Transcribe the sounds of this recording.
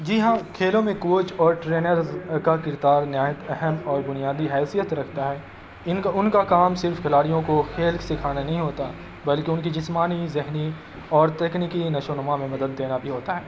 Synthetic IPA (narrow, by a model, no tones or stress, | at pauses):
d͡ʒiɦãkʰeːlõmẽkoːt͡ʃɔːɾʈɾeːnəɾzkakɪɾd̪aːɾnjaːjət̪ɛɦɛmɔːɾbʊnijaːd̪iɦɛːsijət̪ɾɐkʰt̪aɦɛː | ɪnʊnkakaːmsɪɾfkʰɪlaːɽijõkoxʰeːlksɪkʰaːnanɐɦĩɦoːt̪a | bɐlkeʊnkid͡ʒɪsmaːnizɪɦni | ɔːɾt̪ɛːknikinɐʃonəmamẽmɐd̪əd̪ːeːnabʱiɦoːt̪aɦɛː